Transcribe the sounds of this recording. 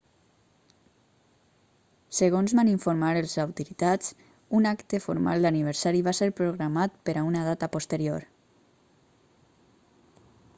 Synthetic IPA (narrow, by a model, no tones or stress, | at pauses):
səɣonzβaniɱfoɾmaɾəlˠzawt̪uɾit̪at͡s | unakt̪əfo̰ɾma̰lˠd̪aniβ̞əɾsaɾiβaseɾpɾoɣɾamat̪̚pəɾaunað̞at̪apost̪əɾjoɾ